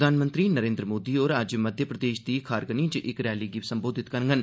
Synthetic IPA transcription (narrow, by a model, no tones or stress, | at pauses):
d̪ʱaːnmə̃nt̪ɾiːnəɾẽːnd̪ɾəmoːd̪ioːɾad͡ʒməd̪ʱjəpɾəd̪eːʃd̪iːkʰaːɾɡənĩːt͡ʃʔɪkɾɛːliːɡipsəmboːd̪ʱɪt̪kəɾŋɡən